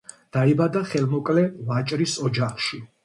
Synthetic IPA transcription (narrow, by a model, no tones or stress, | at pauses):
d̪̥aibad̪aχɛlmɔkʼlɛvat͡ʃʼɾisɔd͡ʒaχʃi